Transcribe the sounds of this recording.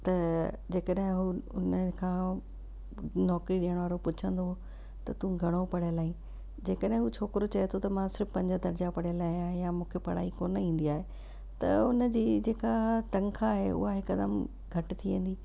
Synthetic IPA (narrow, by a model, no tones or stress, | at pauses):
t̪ɐ | d͡ʑeːkəɗɦɪ̃ɦuʊnəkʰãː | nɔːkɾiɗiɦəɽ̃ʋaːɾopʊt͡ɕʰə̃nd̪o | t̪ɐt̪ũɡʱɐɽ̃opɐɽ̤ijəlaːĩ | d͡ʑeːkəɗɦɪ̃ɦut͡ɕʰoːkɪɾot͡ɕɐet̪ʰot̪ɐmãsɪɾfpɐ̃ɲd͡ʑəd̪ɐɾd͡ʑapɐɽ̤ijəlaːɦijãjamũːkʰepɐɽ̤aːikoːnəĩːn̆d̪iaːɦe | t̪ɐ̰ʊnəd͡ʑiːd͡ʑeːkaʈɐ̃ŋkʰaːɦeʔʊ̰ɦaɦɪkɐd̪əm | ɡʱɐʈt̪ʰiʋẽːn̆d̪iː